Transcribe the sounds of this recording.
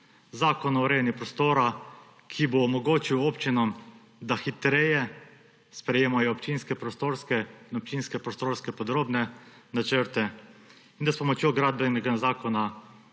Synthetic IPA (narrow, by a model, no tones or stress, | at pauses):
zaːkɔnɔɾewnipɾɔst̪oːɾa | kʰiboːmɔɡoːt͡ʃiwopt͡ʃinɔm | d̪axit̪ɾejɛ | spɾɛjeːmajɔːpt͡ʃinskɛpɾɔst̪oːɾskɛinɔpt͡ʃinskɛpɾɔst̪oːɾskɛpɔd̪ɾoːbnɛnat͡ʃəɾt̪ɛ | ind̪aspɔmɔt͡ʃjoɡɾaːd̪̚bɛnɛɡazaːkɔna